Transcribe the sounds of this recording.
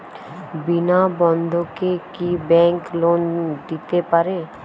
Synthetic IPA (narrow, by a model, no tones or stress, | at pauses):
bɪnabɔ̃nd̪ʱokekibɛ̃ːŋkloːnd̪it̪epəɾeː